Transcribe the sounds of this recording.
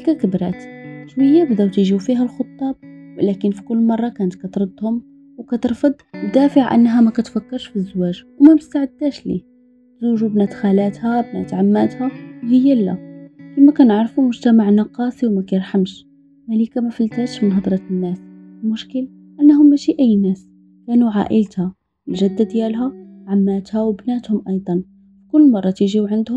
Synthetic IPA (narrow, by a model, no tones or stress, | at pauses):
kakɪbɾɑ̰ːt̪ʃwɪjːabd̪awt̪iʒiwfiɦælxʊt̪ˤːɑːb̚wlækənfi̥kʊlːmɑrˤːɑkæːnt̪kæt̪ɾˤɨd̪ˤhʊm | wkæt̪ɨɾˤfɑd̪ˤwd̪æːfəʕʔa̰nːɦæmækæt̪fakːɑɾˤʃfizːʊwæːʒwmæmɪst̪aʕɪd̪ːæːʃlḭ | t̪zuːʒubnæt̪xalæːt̪hæbnæ̰t̪ʕamːæt̪hæwhɪjːælːæ̰fimækænəʕɾˤfumʊʒt̪amaʕnɑqɑːsˤiwmækæjəɾˤħamʃ | mælikamæfəlt̪æːʃmənɦɑd̪ˤɾˤɑt̪nːæslmʊʃkəl | ʔænːɦʊmːæʃiʔæjːnæːs | kænuʕa̰ʔəlt̪hæ | wʒæd̪ːad̪jælɦæʕamːæːt̪hæwbnæːt̪hʊmʔɑjd̪ˤɑn | ikʊlːmɑrˤːɑt̪iʒiwʕənd̪hʊm